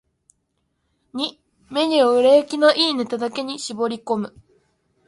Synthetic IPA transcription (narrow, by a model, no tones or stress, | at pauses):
ɲ̟i | me̞ɲ̟ioɯ̟ɾekʲino̞ʔiːne̞t̪ad̪ake̞ɲ̟iɕibo̞ɾʲiko̞mɯ̟